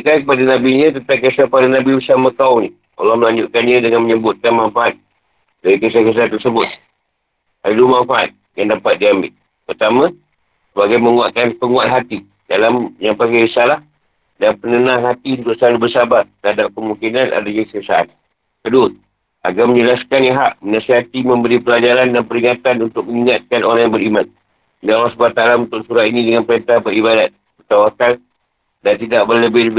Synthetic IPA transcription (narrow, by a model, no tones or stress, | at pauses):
əkakəpadanabiɲə̃t̪ənt̪aŋkasapadanabibəsaməkauni | o̰lɔhməlaɲd͡ʒʊʔkanɲadəŋanməɲəbʊt̪̚kanmanfaʔat̪̚ | daɾikasakiasaant̪ːərsəbʊt̪̚ | adalumanfaʔa̰t̪̚ | jaŋdapat̪̚diambɪ̰l | pərt̪amã | səbaɡajməŋuaʔkanpəŋuaʔ̪ɦat̪i | dalamɲaŋpakabəsalah | danpənənãŋɦat̪iunt̪ʊk̚saalubəsabart̪əadap̚kəmũŋkinanʔa̰daɲakəsiasa̰ʔa̰n | kədʊ | ʔa̰ɡamə̃ɲəlaskaneɦaʔmənasiɦat̪imə̃mbəɾipəlad͡ʒaɾandanpəɾiŋat̪anunt̪ʊk̚məŋiŋat̪̚kanoɾaŋjaŋbəɾiman̚ | dalasbat̪alamunt̪ʊk̚suɾat̪inĩdəŋanpəɾent̪abəɾibadat̪̚bərt̪awakal | dant̪idaʔbələbɪhləb